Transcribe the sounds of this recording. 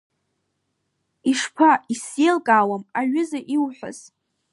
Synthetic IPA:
iʂpʰaisjelkʼaːwamaɥʊzaʔiwħʷa̰z̥

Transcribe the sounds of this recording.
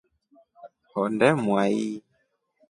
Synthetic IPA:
hɔndɛmwai

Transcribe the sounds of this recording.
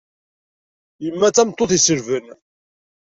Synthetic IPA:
jəmːæt͡sːæmt̪ˤːoθisəɾvən

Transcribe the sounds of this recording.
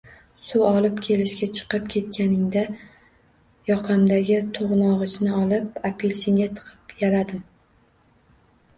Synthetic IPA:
sʊɒlˠɪpkʲʰe̞lɪʃkʲat͡ʃʰɨ̥qɨp̚kʲʰe̞t̪kʲʰanɪŋd̪a | jɒqʰɑmd̪aɡʲɪt̪ʰoʁnɒʁɨt͡ʃnɪɒlˠɪp̚apʰelʲseŋʲat̪ʰɨ̥qʰɨ̥pjalad̪ɪm

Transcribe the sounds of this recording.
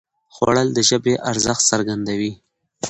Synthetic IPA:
xwa̰ɽəld̪əʒəbeʔaɾzəxt̪saɾɡand̪awi

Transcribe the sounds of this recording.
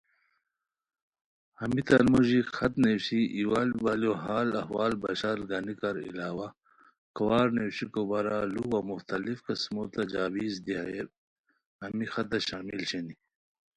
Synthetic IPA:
ɐmit̪ɐnmoʑixɐt̪newɕiʔiwalbaljoɦaːlɐ̰hwaːlbɐɕaɾɡanikaɾḭlaːwa | kɐwaːɾnewɕikobɐɾaluwamuxt̪ɐlifkɐsmot̪ad͡ʑaːwiːzd̪iaje | ɐmixɐt̪ɐɕaːmilɕeni

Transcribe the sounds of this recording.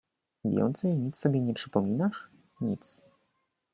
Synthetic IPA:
vʲjɛ̰nt̪sɛjɲit̪sːɔbʲjɛɲɛpʂɘpɔmʲinaʂ | ɲḭt̪s

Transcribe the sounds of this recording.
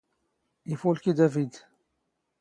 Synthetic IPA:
ifulkid̪ævid̪

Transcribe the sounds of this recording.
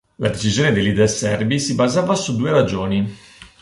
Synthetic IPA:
lad̪et͡ʃizjoːned̪elid̪ɛsɛrbisibazaːvasud̪ːuːeɾad͡ʒoːni

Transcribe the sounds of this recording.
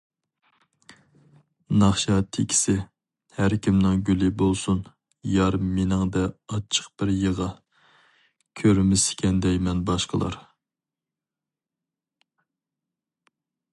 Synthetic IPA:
nɑχʃɑt̪ʰekʲʰɪ̥sɪ | hæɾkʲʰimnɪŋɡʲylɪbolˠsun | jɑɾmenɪŋd̪ɛɑt͡ʃʰə̥q̚b̥ɪɾjəʁɑ | kʲʰøɾmɪsɪ̥kʲʰɛnd̪ɛjmɛnbɑʃqəlˠɑ̰ɾ

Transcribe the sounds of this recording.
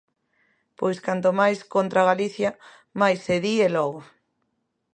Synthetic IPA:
pojskant̪̬omajskont̪ɾaɣ̞aliθja | majsːeðielɔɣ̞o

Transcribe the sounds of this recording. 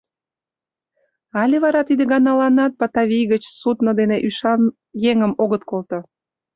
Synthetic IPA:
ɑlʲeβɑɾɑt̪id̪eɡɑnɑlɑnɑt̪̚pɑt̪ɑβʲijɣət͡ɕsut̪nə̆d̪eneʔyʃɑn | jeŋəmoɣət̪̚kolt̪o

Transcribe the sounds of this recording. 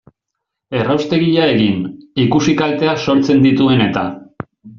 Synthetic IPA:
e̞rawst̪e̞ɣiʎae̞ɣinikusikalt̪e̞aso̞ɾt͡se̞nd̪it̪ue̞ne̞t̪a

